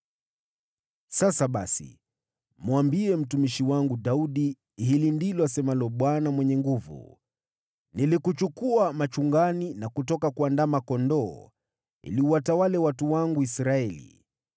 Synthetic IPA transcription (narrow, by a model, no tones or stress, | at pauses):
sasaɓasḭ | mwambiɛm̩tumiʃiwaŋɡuɗauɗi | ɦilindilɔasɛmalɔɓwanamwɛɲɛŋɡuvṵ | nilikut͡ʃukuamat͡ʃuŋɡaninakutɔkakuandamakɔndɔː | ḭliuwatawalɛwatuwaŋɡuisɾaɛlḭ